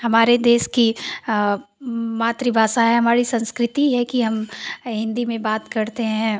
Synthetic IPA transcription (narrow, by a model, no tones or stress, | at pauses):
hɐmaːɾed̪eːʃki | maːt̪ɾibʱaːʃaɦɛɦɐmaːɾisɐ̃nskɾɪt̪iɦɛkiɦɐmɦɪ̃nd̪imẽbaːt̪kɐɾt̪eɦɛ̃